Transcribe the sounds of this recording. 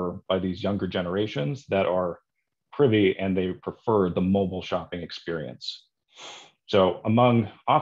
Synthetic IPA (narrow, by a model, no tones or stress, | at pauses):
ə˞b̥aɪðizjʌ̃ŋɡə˞d͡ʒɛnə˞eɪʃɨ̃nzðɨɾʔə˞ | pʰɹ̥ɪɾiɨ̃nðeɪpʰɹ̥ɨfɜ˞ðəmoʊbl̩ˠʃɑpɪ̃ŋɨkspɪɹiɨ̰̃ns | soʊəmʌ̃ŋɑ